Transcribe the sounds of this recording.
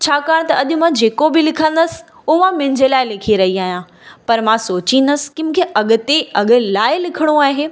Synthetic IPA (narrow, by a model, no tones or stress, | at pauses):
t͡ɕʰaːkaːɽ̃t̪ɐɐʄʊmãd͡ʑeːkobɪlɪkʰə̃nd̪əsɪ̥̆ | ʊmãmɪ̃ɲd͡ʑʱelaːɪlɪkʰiɾɐɦiaːɦijãː | pɐɾmãsoːt͡ɕĩnd̪əsɪ̥̆kɪmʊ̃kʰeʔɐɠʊ̆t̪eɐɠʊ̆laːɪlɪkʰəɽ̃oaːɦeː